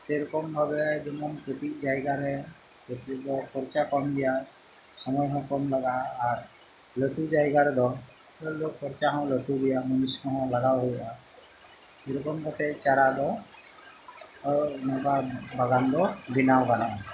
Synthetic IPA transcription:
sɛɾɔkɔmbʱabɛd͡ʒɔmɔnkɾət̪it̚d͡ʒajɡaɾɛ | kɔtid̪ɔkʰɔɾt͡ʃakɔmd̪ija | sɔmɔjɦɔkɔmlaɡaːɾ | lɔtud͡ʒajɡaɾɛd̪ɔ | ɔlok̚pʰɔɾt͡ʃaɦãwlɔtud̪ijamɔnisɔɦɔ̃wlaɡawɦɔjʔa | ɛɾɔkɔmkɔt̪ɛt͡ʃaɾad̪ɔ | nɔbabaɡand̪ɔbinawɡanã

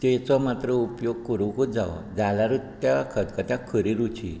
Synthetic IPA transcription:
t̪et͡sɔmat̪ɾəupjoɡ̚kəɾukud͡zaʋd͡zalaɾut̪ːjakʰəd̪kət̪ãkʰəɾiɾut͡ɕʰḭ

